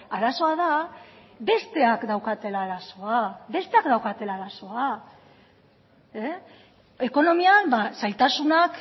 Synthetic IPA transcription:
aɾaso̞að̞a | be̞st̪e̞akd̪awkat̪e̞laːɾaso̞aβe̞st̪e̞akd̪awkat̪e̞laːɾaso̞a | e | e̞ko̞no̞miambasajt̪asunak

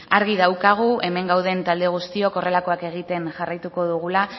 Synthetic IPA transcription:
aɾɣ̞iðawkaɣ̞uʔe̞me̞ŋɡawð̞e̞nt̪ald̪eɣ̞ust̪io̞ko̞re̞lako̞ake̞ɣ̞it̪e̞nʝarajt̪uko̞ðuɣula

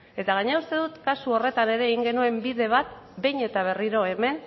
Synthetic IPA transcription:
e̞t̪aɣ̞aɲeaust̪e̞ðut̪kasuo̞re̞t̪ane̞ɾe̞ːɣiŋɡe̞nue̞mbiðe̞β̞at̪ | be̞jɲe̞t̪aβ̞e̞riɾo̞e̞me̞n

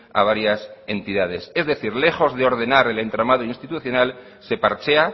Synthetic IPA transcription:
a̰β̞aɾjase̞nt̪iðað̞e̞se̞zðe̞θiɾle̞xo̞zðe̞o̞ɾð̞e̞naɾe̞le̞nt̪ɾamað̞oinst̪it̪uθjo̞nal | se̞paɾt͡ʃea

